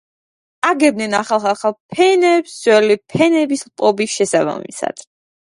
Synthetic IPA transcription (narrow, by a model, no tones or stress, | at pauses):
aɡɛb̚nɛnaχalˠχaχalˠpʰɛnɛpszwɛlipʰɛnɛbislˠpʼɔbisʃɛsaba̰mḭsa̰d̪̥